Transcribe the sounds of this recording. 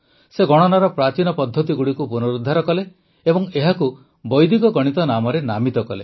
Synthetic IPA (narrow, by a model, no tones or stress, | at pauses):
seɡɔɽ̃ɔnaɾɔpɾat͡ʃinɔpɔd̪ʱːɔt̪iɡuɽikupunɔɾud̪ʱːaɾɔkɔle | ebɔŋeɦaku | bɔjd̪ikɔɡɔɽ̃it̪ɔnamɔɾenamit̪ɔkɔle